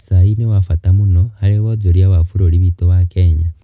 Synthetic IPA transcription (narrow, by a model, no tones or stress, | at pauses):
sainewafatamunohaleɣod͡zoɾjawafuɾoliβitowakeɲa